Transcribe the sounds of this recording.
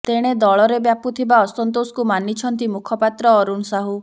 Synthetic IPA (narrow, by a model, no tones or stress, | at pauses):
t̪eɽ̃ed̪ɔɭɔɾebjaput̪ʰibaɔsɔnt̪osɔ̥kumanit͡ʃʰɔnt̪imukʰɔpat̪ɾɔːɾunsaɦu